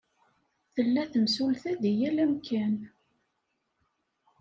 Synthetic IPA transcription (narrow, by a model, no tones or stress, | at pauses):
θəlːæθəmsulθæðijælæmkʰæn